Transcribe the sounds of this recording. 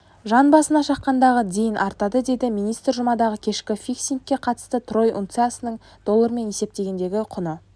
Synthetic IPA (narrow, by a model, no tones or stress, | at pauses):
ʒɑnbɑsənɑʃɑqːɑnd̪ɑʁəd̪ʲe̞jɪnʔɑɾt̪ɑd̪əd̪e̞d̪ɪminijst̪ɾʒʊmɑd̪ɑʁəkʲʰe̞ʃkʲɪfijksinkʲːe̞qʰɑt̪ə̥st̪ət̪ʰro̞jʔṵnt̪sasənəɴ | d̪̥o̞lˠəɾme̞ne̞se̞p̚t̪e̞ɡʲe̞nd̪e̞ɡʲɪqʰʊnə